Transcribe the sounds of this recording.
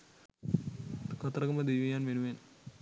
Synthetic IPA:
kɐt̪ɾɐkɐmɐd̪ejʋɐjaːnʋenuʋeːn

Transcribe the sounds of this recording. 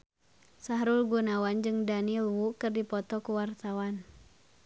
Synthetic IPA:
saɦɾulɡunawand͡ʒɨŋdanilwukɨrdipɔt̪ɔkuwart̪awan

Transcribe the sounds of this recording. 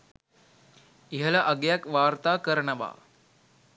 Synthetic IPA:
iɦəlɐʔɐɡejakʋaːɾt̪aːkəɾənəʋa̰ː

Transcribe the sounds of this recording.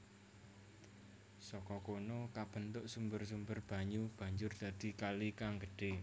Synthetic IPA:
sɔkɔkonɔkab̥ə̤nt̪ʊʔsumbərsumbərb̥a̤ɲub̥a̤ɲd͡ʒʊrd̪̥ä̤d̪̥i̤kalikaŋɡəɖ̥e

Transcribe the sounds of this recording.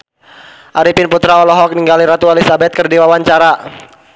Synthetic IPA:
ʔaɾipinput̪ɾaɔlɔɦɔk̚niŋɡaliɾat̪uɛlisabɛt̪̚kərdiwawaɲt͡ʃaɾa

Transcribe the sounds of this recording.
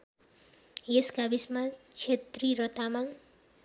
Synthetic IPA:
eskabismat͡ʃʰet̪riɾʌt̪amaŋ

